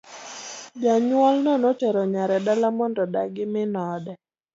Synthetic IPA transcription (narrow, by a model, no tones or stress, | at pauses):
d͡ʒaɲwɔlnɔnɔt͡ʃɛɾɔɲaɾɛdalamɔndɔdaɡɪmɪnɔdɛ